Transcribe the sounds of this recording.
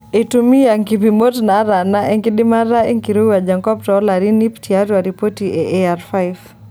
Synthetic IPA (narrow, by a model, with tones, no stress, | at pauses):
e˨tumi˦a˨ŋkipimo˦tna˨˦ɾa˨naʔɛ˦ŋkiɗima˦ɾa˦ɛ˦ŋkiɾu˦a˨d͡ʒaŋkɔ˦p̚tɔ˨˦la˨ɾinipti˨aɾwa˨ɾipo˦ti˨ʔɛʔeaɾfa˦jv